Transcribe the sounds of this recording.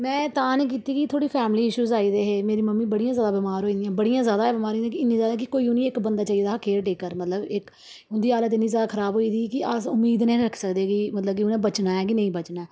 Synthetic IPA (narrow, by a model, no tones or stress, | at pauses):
mɛ̃ːt̪aːniːk̬iːt̪iːkit̪ʰoːɽiːpʰɛːmliːɪʃuːzaːiːd̪eːɦeːmeːɾiːməmːiːbəɽijãːzjaːd̪aːbɪmaːɾɦoːĩːnd̪ɪjãːbəɽijãːzjaːd̪aːɛːbɪmaːɾ̃ːnd̪̃ːkɪɪnːĩːzjaːd̪aːk̬ɪkoːiːʊnĩːɪkbənd̪aːt͡ʃaːiːd̪aːkeːɾʈeːkːəɾmət̪ləbɪk | ʊnd̪iːaːlət̪ɪnːĩːzjaːd̪aːkʰəɾaːbɦoːiːd̪iːkɪasʊmːiːd̪nẽːɾəkʰsəkd̪eːɡiːmət̪ləb̚kɪʊnẽːbət͡ʃnaːɛːkinə̃ĩːbət͡ʃnaː